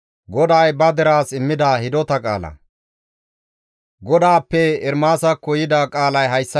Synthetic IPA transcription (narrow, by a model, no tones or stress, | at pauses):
ɡɔd̪ajbɐd̪ɛɾaːsɪmːɪd̪ɐhɪd̪ɔt̪ɐkʼa̰ːlɐ̰ | ɡɔd̪aːpːɛɪɾmaːsɐkːɔjɪd̪ɐkʼaːlɐjɦɐjsːɐ